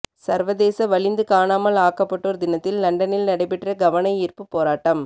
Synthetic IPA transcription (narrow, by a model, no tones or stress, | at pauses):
sɐɾʋɐðeːsɐʋɐɭɪnd̪ɯkaːnaːmɐlaːkɐpːɐʈːoːɾd̪ɪnɐt̪ːɪlːɐɳɖɐnɪlnɐɽɐɪpːɪʈrɐɡɐʋɐnɐɪɪrpɯpːoːɾaːʈːɐm